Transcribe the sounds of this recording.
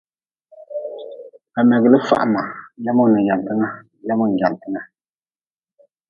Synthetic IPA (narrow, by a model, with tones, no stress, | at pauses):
a˨mɛ˨ɡlə˦fa̰˦˨ʔma˨lɛ˦mɔ˦nə˨ja˨ntə˦ŋa˦ | lɛ˦mɔ˦ŋ˨ɡja˨n˨tə˦ŋa˦